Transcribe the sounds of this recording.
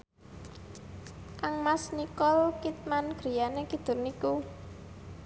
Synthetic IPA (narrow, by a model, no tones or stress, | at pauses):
ʔaŋmasnikɔlkit̪̚manɡ̥ɾi̤janekid̪̥ʊ̤rniku